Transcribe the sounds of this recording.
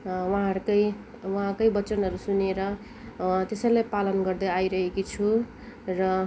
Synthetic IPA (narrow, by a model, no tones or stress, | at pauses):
wʌɦãɦʌɾkʌj | waɦãkʌjbʌt͡sʌnɦʌɾusuneɾʌ | t̪esʌjlajpalʌnɡʌrd̪ʌajɾʌɦekit͡sʰu | rʌ